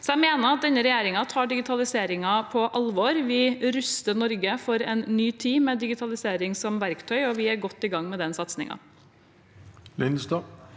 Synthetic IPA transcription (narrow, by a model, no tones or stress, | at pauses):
sɔæmeːnəɾɑt̪̚d̪ɛnːəɾɛjeːɾɪŋɑt̪ʰɑːɖɪɡɪt̪ʰɑlɪseːɾɪŋɑpʰɔʔɑlʋoːɾʋɪɾʉst̪ənɔɾɡəfɔɾɛnːyːt̪ʰiːmɛd̪ɪɡɪt̪ʰɑlɪseːɾɪŋsɔmʋæɾkt̪ʰœʏɔʋɪæɾɡɔt̪ːɪɡɑŋːmɛd̪ɛnsɑt̪snɪ̰ŋɑ̰ | lɪnsd̪ɑː